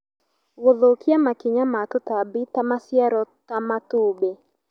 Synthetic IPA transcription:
woðokɪamakɪɲamatʊtabitamasjɛɾɔtamatube

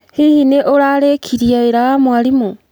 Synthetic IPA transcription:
hihineʔoɾalekʰiɾiaeɾamwalimo

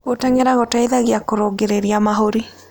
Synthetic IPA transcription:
ɣotɛŋɛɾaɣotaiðaɣjakoɾoɡeɾeɾiamaɦoɾi

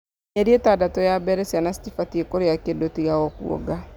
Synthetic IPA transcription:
ɲeɾietadatɔjabɛɾɛsianasi̥tifatiekoɾeakendotiɣaɣɔkṵɔ̰ɡa

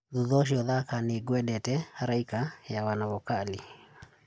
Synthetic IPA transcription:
ðuðɔʃ̬iɔðakaneɡwɛdɛtɛhaɾaikajawanaβɔkali

